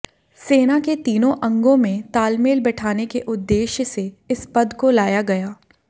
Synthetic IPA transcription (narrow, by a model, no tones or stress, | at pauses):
seːnaket̪iːnõʔɐ̃ŋɡõmẽt̪aːlmeːlbɛʈʰaːnekeʔʊd̪ːeːʃse | ɪspɐd̪kolaːjaɡɐjaː